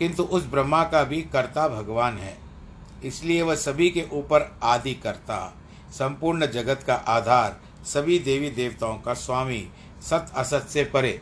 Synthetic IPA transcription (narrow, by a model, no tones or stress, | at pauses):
kɪ̃nt̪uʔʊsbɾəmːakabʱikɐɾt̪abʱɐɡʋaːnɦɛ̰ː | ɪslieʋɐɦsɐbʱikeʔuːpəɾaːd̪ikɐɾt̪a̰ | sɐ̃mpuːɾɳəd͡ʒɐɡət̪kaʔaːd̪ʱaːɾ | sɐbʱid̪eːʋid̪eːʋt̪aõkaswaːmi | sɐt̪ʰɐsət̪sepɐɾeː